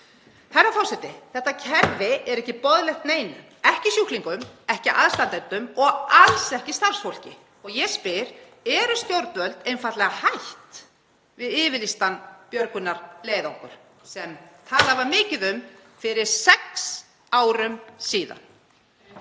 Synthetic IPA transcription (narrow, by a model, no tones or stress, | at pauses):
θɛrːafɔɾ̥sɛt̪ɪθɛht̪acʰɛɾvɪɛɾɛhcɪpɔðlɛxt̪neːjnʏ | ɛhcɪsjuhk̪liŋkʏmɛhcɪʔaðst̪ant̪ɛnt̪ʏmɔɣalsɛhcɪst̪ar̥sfowl̥cɪ | ɔɣjɛspɪɾ | ɛɾʏsc̪owɾt̪vœlt̪ejnfat̪lɛɣahajht̪ | vɪðɪːvɪlist̪anpjœɾkʏnːaɾleːjðɔhkʏɾ̥ | sɛmt̪ʰaːlavamɪːcɪðʏmfɪɾɪɾ̥sɛks | aːwɾʏmsiːða̰n